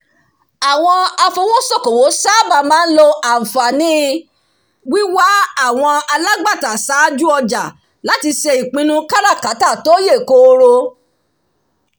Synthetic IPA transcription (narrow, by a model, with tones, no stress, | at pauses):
a˨w̃ɔ̃˧a˧fo˧w̃ɔ̃˦sɔ˦˨ko˨wo˨˦sa˦˨ba˨mãː˦n̩˦lo˧a˨m̩˨fa˨nĩ˦ | wi˦wa˦a˦˨w̃ɔ̃˧a˧la˦ɡ͡ba˦˨ta˨sa˨˦d͡ʒu˦ɔ˧d͡ʒa˨ | la˨˦ti˧ʃe˧i˨k͡pĩ˧nũ˦ka˦ɾa˦˨ka˨˦ta˦˨to˨˦je˦˨ko˧˦o˧ɾo˧